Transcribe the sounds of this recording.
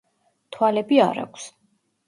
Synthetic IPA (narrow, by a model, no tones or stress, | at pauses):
t̪ʰwalɛbiaɾa̰kʷʰs